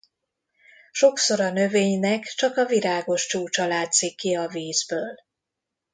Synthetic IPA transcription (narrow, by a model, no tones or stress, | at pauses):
ʃo̞ksoɾɒnø̞veːɲnɛkt͡ʃɒkɒviɾaːɡo̞ʃt͡ʃuːt͡ʃɒlaːt̪sikːiɒviːzbøːl